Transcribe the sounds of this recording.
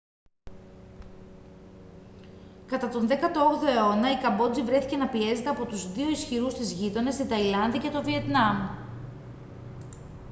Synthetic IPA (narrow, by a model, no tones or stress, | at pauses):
kɐt̪ɐt̪o̞nðekɐt̪ooɣðo̞e̞o̞nɐikɐbo̞d͡zivɾe̞θice̞nɐpie̞ze̞t̪e̞ɐpo̞t̪uzðio̞isçiɾust̪izʝit̪o̞ne̞st̪it̪ɐilɐnðɐce̞t̪o̞vie̞t̪nɐm